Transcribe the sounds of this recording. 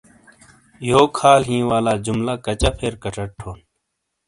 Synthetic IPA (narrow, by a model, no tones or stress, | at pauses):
joːkʰaːlɦĩːwaːlaːd͡ʑʊmlaːkət͡ɕaːpʰeːɾkəʈəʈ̚ʈʰːoːn